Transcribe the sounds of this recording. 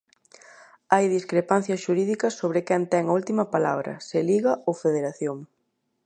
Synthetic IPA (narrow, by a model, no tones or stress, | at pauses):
ajðiskɾepan̟θjɐsʃuɾiðikɐsːoβ̞ɾɪkɛnt̪ɛŋɐult̪imɐpala̰βɾɐ̰sɪliɣɐʔofeðeɾaθjoŋ